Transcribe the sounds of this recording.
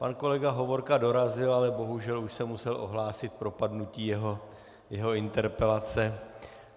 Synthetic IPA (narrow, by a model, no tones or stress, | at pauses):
panko̞lɛɡaɦo̞vo̞ɾkado̞ɾazɪlalɛbo̞ɦuʒɛluʃsɛmusɛlʔo̞̰ɦlaːsɪt̪̚pɾo̞padnuciːjɛɦo | jɛɦo̞ɪnt̪ɛɾpɛlat͡sɛ